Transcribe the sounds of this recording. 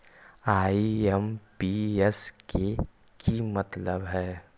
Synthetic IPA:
aːiɛmpiɛske | kimɐt̪ləbɦɛː

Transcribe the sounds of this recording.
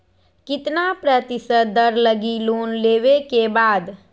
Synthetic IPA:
kit̪napɾət̪isəd̪əɾləɡilonlebekebaːd̪

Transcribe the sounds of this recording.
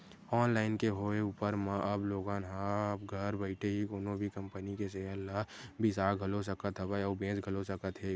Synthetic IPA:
ɔːnlaːɪnkeɦoːeuːpəɾmãʔɐbloːɡãːnɦãbɡʱɐɾbəɪʈeɦikoːnõbʱikɐ̃mpənikeseəlːaːɦbʱisaːɡʱɐlos̬əkət̪ɦbaɔːbẽːsɡʱəlosəkət̪ɦɛː

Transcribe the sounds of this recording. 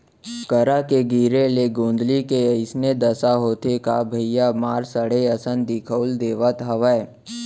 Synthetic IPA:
kəɾakeɡiːɾeleɡõːnd̪likeəɪsned̪ɐsaɦoːt̪ekabʱɐɪjamaːɾsəɽeɐsə̃nd̪ɪkʰəʊld̪eːʋət̪ɦɐʋəe

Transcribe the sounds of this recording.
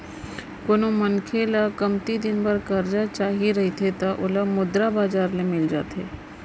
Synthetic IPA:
konõmɐnkʰelakɐmt̪id̪ɪnbɐɾkɐɾd͡ʒat͡ʃaːɦiɾɐɦit̪ʰet̪aʔʊlamʊd̪ɾabaːd͡ʒaːɾlemɪld͡ʒa̰ːt̪ḛː

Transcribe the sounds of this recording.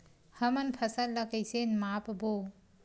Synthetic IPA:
hɐmɐnpʰɐsalːɐkejsenmapbo

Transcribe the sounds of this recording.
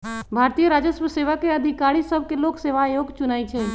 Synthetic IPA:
bʱaːɾt̪ijəɾaːd͡ʒəsməseːʋakeɐd̪ʱikaːɾisəb̚ʱkeloːɡseːʋajoːɡt͡ʃʊnaːit͡ʃʰɛ

